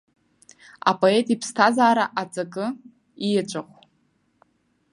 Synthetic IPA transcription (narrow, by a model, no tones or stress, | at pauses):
a̰pʼo̞e̞tʼipʰstʰazaːɾaʔat͡sʼakʼɨ | ijat͡ʃʷʼaχʷ